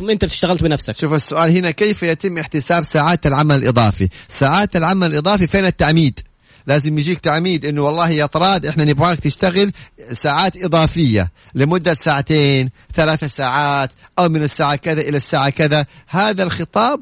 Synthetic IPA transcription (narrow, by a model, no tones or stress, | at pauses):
mːʔɪnt̪ab̚t̪ɪ̥ʃt̪aɣalt̪bɪnafsakʃuːfasːʊʔaːlhɪnakeːfjat̪ɪmːʔɪħt̪ɪsaːbsaːʕaːt̪alʕamalɪlʔɨðˤɑ̰ːfḭsaːʕaːt̪alʕamalɪlʔɨðˤɑːfifeːnat̪ːaʕmiːd̪ | laːzɪmjɪd͡ʒiːkt̪aʕmiːd̪ʔɪnːʊwɑlˤːɑːhɪjɑt̪ˤɾˤɑːd̪ʔɪħnanɪbʕaːk̚t̪ɪʃt̪aɣɪlsaːʕaːt̪ʔɨðˤɑːfɪjːa̰ | lɪmʊd̪ːasaːʕat̪eːnθalaːθasaːʕaːt̪ʔawmɪnɪsːaːʕakɪðaʔɪlasːaːʕakɪðahaːðalxɨt̪ˤɑːb̚